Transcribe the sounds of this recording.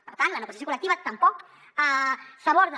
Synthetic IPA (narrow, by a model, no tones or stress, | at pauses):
pəɾt̪ant̪lɐanəɣosjasokulek̚t̪iβat̪ɐmpɔk | asaβoɾðə